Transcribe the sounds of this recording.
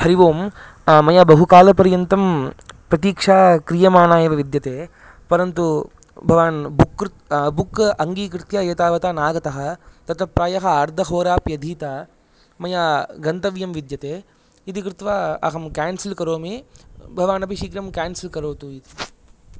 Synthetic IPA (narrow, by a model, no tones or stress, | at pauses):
hɐɾiʋoːm | mɐjaːbɐɦukaːlɐpɐɾjɐnt̪ɐmpɾɐt̪iːkʂaːkɾijɐmaːnaːjeʋɐʋid̪jɐt̪eː | pɐɾɐnt̪u | bʱɐʋaːnbukːɾ | bukʔɐŋɡiːkɾɪt̪jaːeːt̪aːʋɐt̪aːnaːɡɐt̪ɐɦɐ̆t̪ɐt̪ɐpɾaːjɐɦɐaːɾd̪ʱɐɦoːɾaːpjɐd̪ʱiːt̪aː | mɐjaːɡɐnt̪ɐʋjɐmʋid̪jɐt̪eː | it̪ikɾɪt̪ʋaɐ̰ɦɐmkaːnsilkɐɾoːmeːbʱɐʋaːnɐbʱiʃiːkɾɐmkʲaːnsilkɐɾoːt̪uit̪i